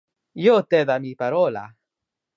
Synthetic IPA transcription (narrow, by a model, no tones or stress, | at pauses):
jot̪eðamipaɾola̰